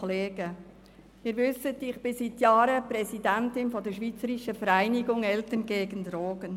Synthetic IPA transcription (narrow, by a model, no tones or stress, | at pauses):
leːɡə | ɪːɾʋʏsətɪχb̥ɪsitjɑːɾəpɾɛsidæntɪnfɔdəʃʋiːt͡səɾiʃəfəɾæɪniɡʊŋɛltənɡeːɡəndɾoːɡən